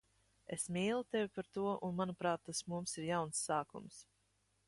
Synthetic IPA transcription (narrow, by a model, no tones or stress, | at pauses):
esmʲiːlˠut̪evʲipaɾt̪uɔʔunmanupɾaːt̪ːasmumsiɾjawnsːaːkṵms